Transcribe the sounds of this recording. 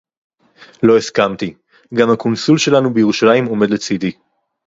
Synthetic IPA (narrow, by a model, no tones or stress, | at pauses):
lo̞eskamt̪i | ɡamhakonsulʃe̞lanubejeʁuʃalajimo̞me̞d̪let͡sid̪i